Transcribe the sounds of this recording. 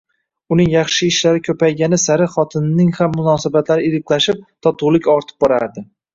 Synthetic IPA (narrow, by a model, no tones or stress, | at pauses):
ʊnɪŋjɑχʃɪɪʃlaɾɪkʲʰɵpajɡʲanɪsaɾɪχɒt̪ʰɪnnɪŋhamːʊnɒsabat̪laɾɪɪɾɪkʲlaʃɪp̚t̪ʰɒt̪ʰʊwlˠɪkʲɒɾt̪ʰɪ̥p̚bɒɾa̰ɾd̪ɪ